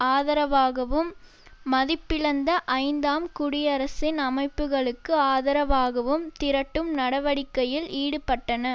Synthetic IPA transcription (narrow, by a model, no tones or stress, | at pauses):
aːðɐɾɐʋaːɣɐʋɯmː | ɐðɪpːɪɻɐnd̪ɐʔɐɪnd̪aːmkʊɽɪjɐɾɐsɪnɐmɐɪpːɯɣɐɭɯkːɯaːðɐɾɐʋaːɣɐʋɯmt̪ɪɾɐʈːɯmnɐɽɐʋɐɽɪkːɐjɪliːɽɯpɐʈːɐnɐ